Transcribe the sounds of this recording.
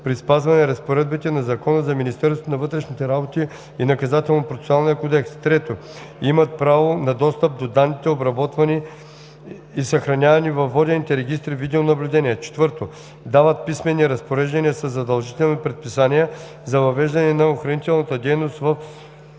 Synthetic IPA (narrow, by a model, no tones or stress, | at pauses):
pɾispazvɐnɛɾɐspoɾɛd̪̚bit̪ɛnɐzɐkɔnəzɐminist̪ɛɾst̪onɐvɤt̪ɾɛʃnit̪ɛɾabot̪i | inɐkɐzat̪ɛlˠnopɾofʲsalˠnijəkod̪ɛkst̪ɾɛt̪o | imɐt̪̚pɾavonɐd̪ɔst̪əp̚d̪od̪anːit̪ɛobɾɐbɔt̪vɐni | sɐxɾɐnʲavɐnivɐvːɔd̪ɛnit̪ɛɾɛɡ̟ist̪ɾivid̪ɛonɐblʲud̪ɛniɛt͡ʃɛ̥t̪vɤɾt̪o | d̪avət̪̚pismɛnːiɾɐspoɾɛʒd̪ɐniəsɐzːɐd̪ɐlˠʒit̪ɛlˠnipɾɛt̪̚pisaniɛ | zɐvɐvɛʒd̪ɐnɛnɐoxɾɐnit̪ɛlˠnɐt̪əd̪ɛjnost̪vɐf